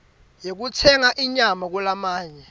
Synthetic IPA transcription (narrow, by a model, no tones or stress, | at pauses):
jek̬utʰɛŋaʔiɲamak̬ulamaːɲɛ